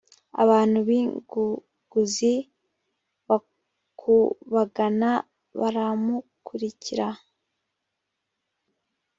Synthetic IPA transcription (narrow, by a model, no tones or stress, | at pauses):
a̰βaːn̥huβiŋɡu | ɡ̥uzi | βa | kʰuβaɡana | βaɾamukʰuɾiciɾa